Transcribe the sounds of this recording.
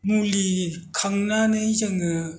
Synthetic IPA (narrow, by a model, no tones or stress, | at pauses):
mulikʰaŋnanɯjzɯŋɯ